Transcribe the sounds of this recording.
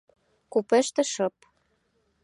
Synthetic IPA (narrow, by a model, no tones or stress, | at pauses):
kupĕʃt̪ĕʃɤp